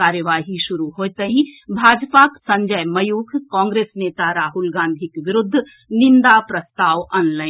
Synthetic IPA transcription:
aːɾjəʋaːɦiʃʊɾuɦoːt̪əɦĩbʱaːd͡ʒpaksɐ̃ɲd͡ʒəjmɐjuːkʰkɔ̃ːŋɡɾeːsneːt̪aɾaːɦʊlɡãːnd̪ʱikʋɪɾʊd̪ʱː | nɪ̃nd̪apɾɐst̪aːʋɔ̃ːnlaːɪn

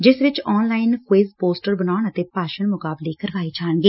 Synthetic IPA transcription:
d͡ʒɪsʋɪt͡ʃɔːnlaːɪnkweːzpoːsʈəɾbənaːʊɳət̪eːpaːʃəɳmʊkaːbleːkəɾʋaːiːt͡ʃʰaːənɡeː

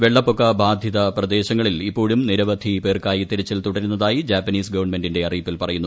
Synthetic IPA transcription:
ʋeɭːɐpːokːɐbʱaːd̪ʱjɐðɐprɐd̪e̞ːɕɐŋːɐɭilipːo̞ːɻumniɾɐʋɐd̪ʱipe̞ːrkaːjit̪iɾɐt͡ɕːilt̪uɽɐɾunːɐðaːjid͡ʑaːpːɐniːsɡɐʋɐrɳme̞ndinde̞ɐriːpːilpɐrɐjunːu

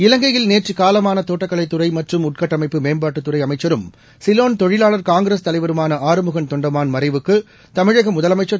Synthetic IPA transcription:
ɪlɐŋɡɐjɪlneːʈrikaːlɐmaːnɐt̪oːʈːɐkːɐɭɐɪt̪ːʊrɐɪmɐʈrɯmʊʈ̚kɐʈːɐmɐɪpːɯmeːnbaːʈːɯt̪ːʊrɐɪɐmɐɪt͡ʃːɐɾɯm | sɪloːnt̪ɔɻɪlaːlɐɾkaːŋɡɾeːst̪ɐlɐɪʋɐɾɯmaːnɐʔaːɾɯmɯɣɐnt̪ɔɳɖɐmaːnmɐɾɐɪʋɯkːɯ | t̪ɐmɪɻɐɣɐmʊðɐlɐmɐɪt͡ʃːɐ

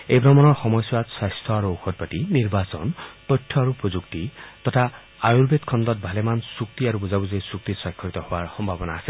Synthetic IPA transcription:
ejbɾɔmɔnɔɹxɔmɔjswad̪swast̪ʰɔaɾuoxʰɔt̚patiniɹbasɔ̰nt̪ɔjtʰːɔaɾupɹod͡ʒukt̪it̪ɔtʰaː | juɾbet̪kʰɔnd̪ɔt̚bʱalemansuk̚t̪iaɾubuzabuzɔjsuk̚t̪isakʰːɔit̪ɔhowaɹxɔmbʱabɔnaːse

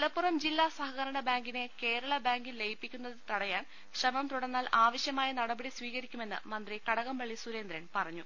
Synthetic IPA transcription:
ɐlɐpːurɐmd͡ʑilːaːsɐɦɐɣɐɾɐɳɐbaːŋɡine̞ke̞ːɾɐɭɐbaːŋɡilːejipːikʲːunːɐðɨt̪ɐɽɐjaːn | ɕrɐmɐmt̪uɽɐnːaːlʔaːʋɐɕjɐmaːjɐnɐɽɐbɐɽisʋiːɣɐɾikʲːume̞nːɨ̰mɐnd̪rikɐɽɐɣɐmbɐɭːisuɾe̞ːnd̪ɾɐnpɐrɐɲːu

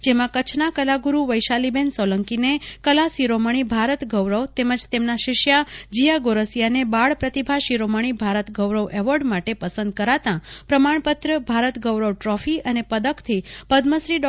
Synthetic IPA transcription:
d͡ʒemãkət͡ʃʰnakəlaɡuɾuʋəjʃalibensɔləŋkinekəlasiɾoməɳ̃ibʱaɾət̪ɡəʋɾəʋt̪eməd͡ʒt̪emnaʃɪʃjad͡ʒijaɡoɾəsjanebaɭpɾət̪ibʱaʃiɾoməɳ̃ibʱaɾət̪ɡəʋɾəʋʔɛʋəɖmaʈepəsənd̪̚kəɾat̪ãpɾəmaɳ̃pət̪ɾəbʱaɾət̪ɡəʋɾəʋʈɾɔfiənepəd̪əkt̪ʰipəd̪məsɾiɖ

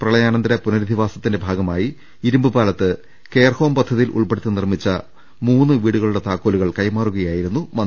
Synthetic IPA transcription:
prɐɭɐjaːnɐnd̪ɐɾɐpunɐɾid̪ʱiʋaːsɐt̪ːinde̞bʱaːɡɐmaːji | iɾumbɨbaːlɐt̪ːɨ | ke̞ːrho̞ːmpɐd̪ʱːɐðijilʔṵɭpeɽut̪ːɨnirmit͡ɕːɐ | muːnːɨʋiːɽuɣɐɭuɽe̞t̪aːkːoːluɣɐɭkɐjmaːruɣɐjaːjiɾunːumɐ

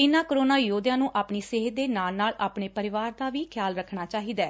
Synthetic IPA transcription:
ɪnãːkəɾoːnaːjoːd̪jãːnũːʔaːpɳiːsɪɦt̪̚d̪eːnaːlnaːlaːpɳeːpəɾɪʋaːɾd̪aːʋiːkʰjaːlɾəkʰɳaːt͡ʃaːɦiːd̪ɛː

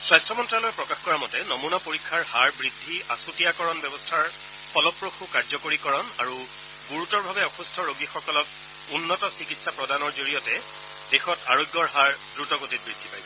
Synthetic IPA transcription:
swajstʰɔmɔntɹalɔjpɹɔkaxkɔɹamɔtɛnomunapoɹikʰːaɹɦaɹbɹidʱːiasutijakɔɹɔnbɔbɔstʰaɹ | pɔlɔpːɹoxukaɹzɔkoɹikɔɹɔnaɹu | ɡuɹutɔɹbʱabɛɔxustʰɔɹoɡixɔkɔlɔk | unːɔtɔsikitsapɹɔdʱanɔɹzoɹijɔtɛ | d̥exɔtaɹojɡjɔɹɦaɹdɹutɔɡotit̚bɹidʱːipajsɛ

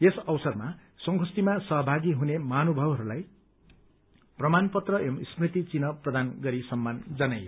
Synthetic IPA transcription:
esʌwsʌrma | sʌŋɡʱʰust̪imasʌɦʌbʱaɡiɦunemanubʱʌbɦʌɾulaj | prʌmanpʌt̪rʌemsprit̪it͡sinʌprʌd̪anɡʌɾisʌmːand͡zʌnajo

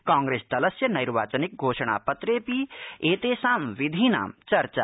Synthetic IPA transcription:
kãːŋɡɾeːst̪ɐləsjɐnɐjɾʋaːt͡ʃənɪk̚ɡʱoːʃɽ̃a̰ːpɐt̪ɾeːpieːt̪eːsaːmʋɪd̪ʱina̰ːmt͡ʃɐɾt͡ʃa̰ː

